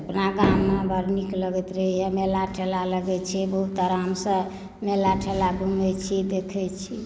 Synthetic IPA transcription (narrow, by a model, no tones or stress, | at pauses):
əpnaɡamːebʱəɾnikləɡɛt̪ɾəɦijɛmelaʈʰelaləɡɛt͡ʃʰɛbəɦut̪əɾamsə̃ | melaʈʰelaɡʱumɛt͡ʃʰid̪ekʰɛt͡ʃʰi